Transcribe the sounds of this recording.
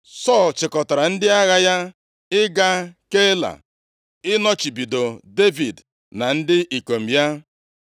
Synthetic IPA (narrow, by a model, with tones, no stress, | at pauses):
sɔ˦˨lt͡ʃɪ˨kɔ˨ta˨ɾa˨n̩˦dɪ˦a˦ɣa˦ja˦ | ɪ˦ɡa˦ke˦la̰˨ | ɪ˦nɔ˦t͡ʃi˨bi˨do˨de˦vi˨d | na˨n̩˦dɪ˦ʔi˨ko˨m̩˨ja˦